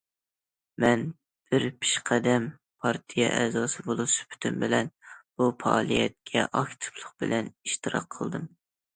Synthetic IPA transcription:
mɛn | b̥ɪɾpʰi̥ʃqʰæd̪ɛm | pʰɑɾt̪ʰijɛʔɛzɑːsɨbolˠuspʰy̥t̪ʰymbɪlɛnb̥upɑɑlˠijɛt̪̚kʲʰɛʔɑkt̪ʰɨ̥plˠʊqb̥ɪlɛniʃt̪ɨɾɑ̰qʰːəlˠd̪ɨm

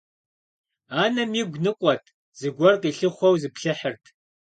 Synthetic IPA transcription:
aːnɐmiːɡʷnɨqʷʼɔtʰ | z̥ɨɡʷɔrqiːɬɨχʷɔwzɨpɬɨħərtʰ

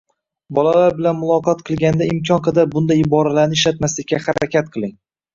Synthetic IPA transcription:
bɒlalaɾbɪlanmʊlˠɒqʰɒt̪qʰɨlˠɡʲand̪aɪmkʲʰɒnqʰɑd̪aɾbʊnd̪ajɪbɒɾalaɾnɪɪʃlat̪maslɪkʲʰːahaɾakʲʰat̪̚qʰɨlˠɪŋ

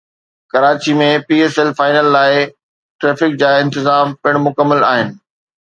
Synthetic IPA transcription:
kɐɾaːt͡ɕimẽpiːeːsɛlfaːɪnəlːaːɪ | ʈɾeːfɪk̚d͡ʑaːɪ̃nt̪ɪzaːmpɪɽ̃mʊkəmːəlaːɦɪnɪ̆

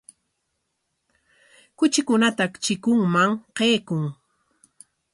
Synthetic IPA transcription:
kʊt͡ʃɪkʊnat̪akt͡ʃɪkʊŋmaŋqeːkʊŋ

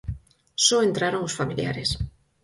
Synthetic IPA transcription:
soent̪ɾaɾoŋosfamilja̰ɾes

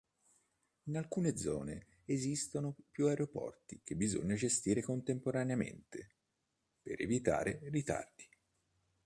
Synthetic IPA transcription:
inalkuːned̪zɔːne | ezist̪onopjuaeɾopɔ̰rt̪ik̟ebːizo̰ɲːad͡ʒest̪iːɾekont̪empoɾaneamḛnt̪e | pḛɾevit̪a̰ːɾʔerit̪a̰rd̪i̥

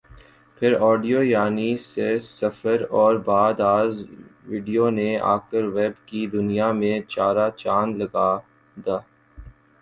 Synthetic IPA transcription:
pʰɪɾɔːɖijoːjaːnisesɐfəɾɔːɾbaːd̪aːzʋiːɖijonea̰ːkəɾʋɛːbkid̪ʊnijamẽt͡ʃaːɾat͡ʃaːnlɐɡaː | d̪aː

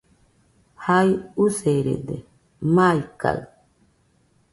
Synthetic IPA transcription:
hajuseɾḛd̪e | majka̰ɰ

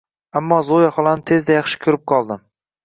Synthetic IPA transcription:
amːɒzojaχɒlˠanɪt̪ʰe̞zd̪ajɑχʃɪ̥kʲʰʊɾɪp̚qʰɒlˠd̪ɪm

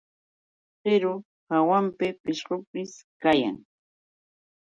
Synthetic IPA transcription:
ɢɪɾʊ | hawampɪpɪʃɢʊpɪskaja̰ŋ

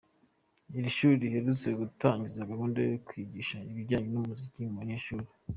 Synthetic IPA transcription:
iɾiʃuːɾɾiheɾut͡sweɡutaːɲɟizaɡahuːndajokwiɟiːʃaiβiɾɟaːɲenumuzicimuβaɲe̞ːʃuɾi

